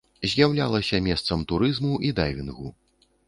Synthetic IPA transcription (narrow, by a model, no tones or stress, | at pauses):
zʲjawlʲalˠɐsʲɐmʲɛst̪sɐmt̪uɾɨzmuʔid̪ajvʲinɣṵ